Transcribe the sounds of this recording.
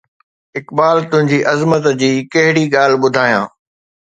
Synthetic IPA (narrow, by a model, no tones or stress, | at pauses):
ɪkɓaːlt̪ʊ̃ɦɪ̃ɲd͡ʑiːʔɐzmət̪d͡ʑiːkɐɦɪɽiɠaːl̤ɓʊd̪ʱaːjã̰ː